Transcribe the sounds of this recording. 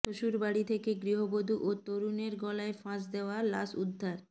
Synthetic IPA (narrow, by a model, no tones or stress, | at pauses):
t̪oʃuɾbaɽit̪ʰekeɡɾiɦobod̪ʱuʔot̪oɾuneɾɡɔlaefãsd̪eoala̰sud̪ʱːaɾ